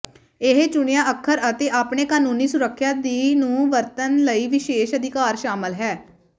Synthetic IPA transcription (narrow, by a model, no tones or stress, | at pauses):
ɪɦet͡ʃʊɽejãːəkʰːəɾət̪eːʔaːpɳeːkaːnũːniːsʊɾəkʰːjaːd̪iːnũːʋəɾt̪ənləiːʋɪʃeːʃəd̪ʱɪkaːɾʃaːməlɦɛː